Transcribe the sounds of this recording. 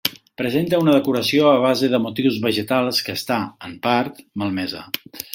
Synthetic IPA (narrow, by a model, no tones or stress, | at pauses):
pɾəzent̪əunəðəkuɾəsioəβ̞azeðəmut̪iwzβəʒət̪alˠskəːst̪aəmpaɾt̪məlˠmɛzə̰